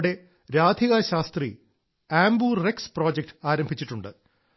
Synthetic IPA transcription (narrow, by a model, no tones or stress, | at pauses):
ɽe̞ | ɾaːd̪ʱiɣaɕaːst̪rḭ | aːmbuːrekspro̞ːd͡ʑek̚ʈɨ̥aːɾɐmbʱit͡ɕːiʈːuɳɖɨ